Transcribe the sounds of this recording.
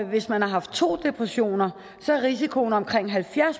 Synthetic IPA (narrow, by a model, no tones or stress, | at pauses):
ʋe̝smænhɑ̈ɦɑ̈fd̥̚t͡sʰo̝̰ːd̥e̝pʰʁɛɕo̝̰ːnɐ | sɒ̽æɐʁis̬ikʰo̝nɒ̽mkʰʁeŋ̰ɦælfjæɐs